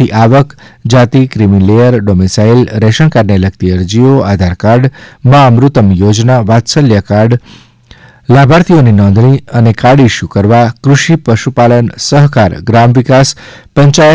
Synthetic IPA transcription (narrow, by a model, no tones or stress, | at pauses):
iʔaʋəkd͡ʒat̪ikɾimilejəɾɖomisailɾeʃəɳkaɾneləkt̪iəɾd͡ʒioad̪ʱaɾkaɾɖmãəmɾut̪əmjod͡ʒnaʋat̪səljəkaɖ | labʱaɾt̪ʰioninɔ̃nd̪ʱniənekaɽiʃukəɾʋakɾuʃipəʃupalənsəɦkaɾɡɾamʋikaspəɲt͡ʃajə